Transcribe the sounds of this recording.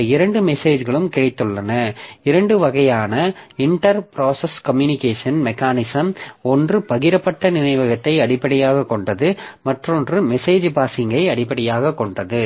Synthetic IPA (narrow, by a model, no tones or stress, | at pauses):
ɪɾɐɳɖɯmɛseːd͡ʒɣɐɭɯmkɪɻɪt̪ːɯɭːɐnɐɪɾɐɳɖɯʋɐɣɐjaːnɐɪɳʈɐɾpɪɾaːsɐskɐmjunɪkeːʂɐnmɛkaːnɪsɐmɔndrɯpɐɣɪɾɐpːɐʈːɐnɪnɐɪʋɐɣɐt̪ːɐɪɐɽɪpːɐɽɪjaːɣɐkːɔɳɖɐðɯmɐʈrɔndrɯmɛseːd͡ʒɯpaːsɪŋɡɐɪɐɽɪpːɐɽɪjaːɣɐkːɔɳɖɐðɯ